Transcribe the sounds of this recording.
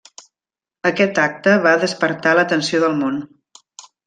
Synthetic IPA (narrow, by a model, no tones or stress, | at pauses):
əkɛt̪ak̚t̪əβaðəspəɾt̪alət̪ənsioðəlˠmon